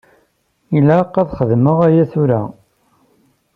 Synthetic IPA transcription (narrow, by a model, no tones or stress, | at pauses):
ilæqːæðχəðməʁæjæθʊɾæ̰